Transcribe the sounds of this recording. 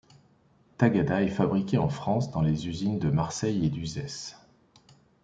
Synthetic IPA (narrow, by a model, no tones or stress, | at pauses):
t̪aɡad̪aɛfabʁikʲeɑ̃fχɑ̃sd̪ɑ̃lezyzind̪əmaʁsɛjed̪yzɛs